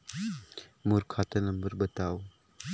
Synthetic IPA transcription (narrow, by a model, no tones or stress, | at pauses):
muɾkʰatɐnɐmbəɾbətaw